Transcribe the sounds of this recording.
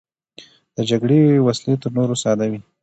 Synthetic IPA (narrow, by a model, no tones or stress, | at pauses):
d̪̥əd͡ʒaɡɽewaslet̪əɾnoɾosɑd̪awi